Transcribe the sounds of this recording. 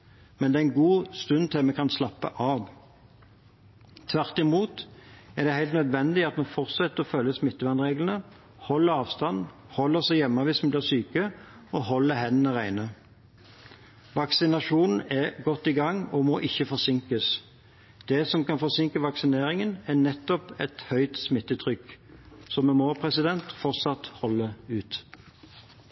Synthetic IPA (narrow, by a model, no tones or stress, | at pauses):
mɛnd̪ɛːɛɪnɡuːst̪ʉnt̪ʰɪlmɛkʰɑnslɑpːə̰ʔɑːʋ | t̪ʰʋæʁt̪ɪmuːt̪æd̪ɛhæɪlt̪nœd̪ʋɛnd̪ɪɑt̪mɛfɔʁt̪sɛt̪ːəʁɔfœlːəsmɪt̪ːəʋɑnʁeːɡlən̩ə | hɔlːəɾɑːʋst̪ɑn | hɔlːəʁsɛɪjɛmːəʋɪsmnblɪːʁsyːkə | ɔhɔlːəɦɛnənəʁæɪnə | ʋɑksɪnɑʂuːnn̩ɛɡɔt̪ːɪɡɑŋːɔmoːʔɪçːəfɔʁsɪŋkəs | d̪̥ɛsɔmkɑnfɔʁsɪŋkəʋɑksɪneːɾɪŋənɛnɛt̪ːɔpɛt̪hœʏt̪smɪt̪ːət̪ʰʁʏksɔmɛmoːpʰʁɛsɪd̪ɛnt̪fɔʁt̪sɑt̪hɔlːəʉːt̪